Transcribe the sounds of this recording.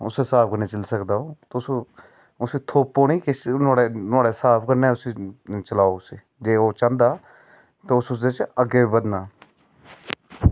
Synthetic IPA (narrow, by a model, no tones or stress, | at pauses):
ʊsesaːpʰkəɾneːt͡ʃəlsəkd̪aːoːt̪ʊso | ʊsiːt̪ʰoːpːoːniːknaːɽeːnaːɽeːsaːpʰkəɾneːʊsiːt͡ʃəlaːoːʊsiː | d͡ʒeːoːt͡ʃãːnd̪aː | t̪aːʊsʊsd̪et͡ʃəɡeːbəd̪naː